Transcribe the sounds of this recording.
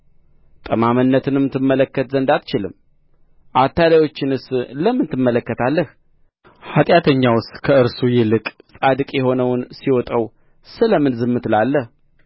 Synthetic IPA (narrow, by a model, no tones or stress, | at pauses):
t̪ʼəmamɨnːət̪ʰɨnɛmːɨt̪ʰːɨmːələkːət̪zənd̪at̪t͡ʃɪlɨ̰m | ʔat̪ːalajo̞t͡ʃːɪnɨsləmːɨnt̪ʰɨmːələkːət̪ʰalːəh | hat̪ʼjat̪ʰəɲːawʊst̪kʰəɨɾsujɪlɨkʼsʼad̪ɨkʼjɛho̞nəwʊnsiwɔt̪ʼəw | sɨləmɨnzɨmːɨt̪ʰlalːəh